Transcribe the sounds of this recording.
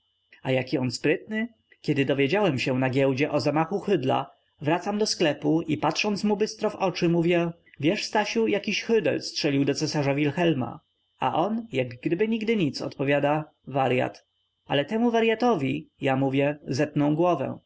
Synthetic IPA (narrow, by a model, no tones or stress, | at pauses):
ajakʲiɔnspɾɘt̪̚nɘ | kʲɛd̪ɘd̪ɔvʲjed͡ʑawɛmɕɛnaɡʲɛwd͡ʑɛʔɔzamaxuxɘd̪la̰ | vɾat̪samd̪ɔsklɛpuipat̪ʂɔnt̪smubɘst̪ɾɔvɔt͡ʂɘmuvʲjɛ | vʲjɛʂst̪aɕujakʲiɕxɘd̪ɛ̰lstʂɛlʲiwd̪ɔt̪sɛsaʐavʲilxɛlma̰ | a̰ʔɔnjaɡɡd̪ɘbɘɲiɡd̪ɘɲit̪sɔ̰t̪pɔvʲjad̪a | vaɾja̰t̪ | ʔa̰lɛt̪ɛmuvaɾjat̪ɔvʲijamuvʲjɛzɛt̪̚nɔ̃w̃ɡwɔvɛ̰̃